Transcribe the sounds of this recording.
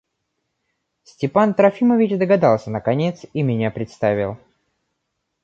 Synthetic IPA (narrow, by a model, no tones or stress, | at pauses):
sʲtʲɪpant̪ɾɐfʲiməvʲɪt͡ɕd̪əɡɐd̪alˠsʲənəkɐnʲe̞t̪simʲɪnʲapɾʲɪt̪st̪avʲɪlˠ